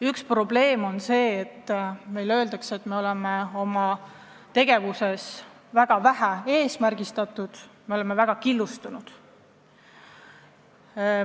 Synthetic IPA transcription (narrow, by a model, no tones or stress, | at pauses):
ykspro̞ble̞ːmo̞nse̞ːt̪ːme̞jlø̞ːld̪̥ɑkse̞t̪ːˑme̞o̞lemeo̞mɑ | t̪e̞ɡ̥e̞vuse̞s | væɡ̥ɑvæɦæe̞ːsmærɡist̪ɑt̪ːˑud̪̥me̞ole̞me̞væɡ̥ɑkilːust̪unud̪̥